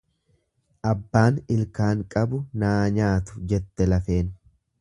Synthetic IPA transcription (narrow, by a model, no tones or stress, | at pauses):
ʔɐbːaːnɪlkaːŋkʼɐbʊnaːɲaːt̪ʊ̥d͡ʒɛt̪ːɛlɐfe̞ːn